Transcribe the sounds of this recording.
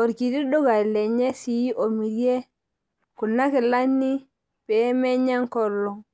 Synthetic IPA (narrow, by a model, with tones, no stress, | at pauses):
o˨ɾki˨ti˦do˦ɡa˨le˨ɲe˦si˨ji˦ʔo˨mi˨ɾje˦ | ku˨nːa˦ke˨la˦nːi˦ | pe˨˦me˦ɲa˦ŋko˨lːo˨ŋ